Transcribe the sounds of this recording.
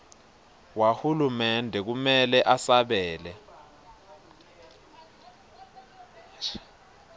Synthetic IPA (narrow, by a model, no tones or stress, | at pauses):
wahulumɛndʱɛk̬umɛlɛʔasaɓɛːlɛ